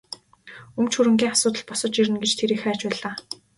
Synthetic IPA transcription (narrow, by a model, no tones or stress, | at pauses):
ɵmt͡ɕʰxuɾɘ̆ŋɡʲiːŋasʊːt̪ə̆ɮpɔsɞ̆t͡ɕiɾɘ̆nɡet͡ɕt̪ʰeɾiːxæːt͡ɕpæːɮaː